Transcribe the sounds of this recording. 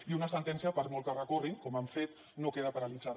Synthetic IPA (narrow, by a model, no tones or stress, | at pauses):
iunəsənt̪ɛnsiəpəɾmolˠt̪ərəkoriŋkɔmamfet̪̚ | nokeðəpəɾalid͡zað